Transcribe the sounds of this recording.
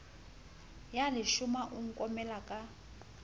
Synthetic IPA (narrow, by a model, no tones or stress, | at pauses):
jalɪʃumaʔuŋ̩kʼɔmɛlakʼa